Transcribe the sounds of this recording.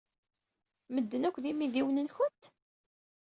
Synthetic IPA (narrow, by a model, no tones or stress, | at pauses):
məd̪ːənækʷːðimiðiwnənçʊnt̪